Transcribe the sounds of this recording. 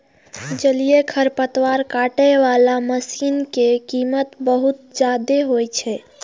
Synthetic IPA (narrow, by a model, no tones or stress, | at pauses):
d͡ʒəlijekʰəɾpət̪ʋaɾkaʈəʋalaməsinkekimət̪bəɦut̪̚d͡ʒad̪eɦojt͡ʃʰɛ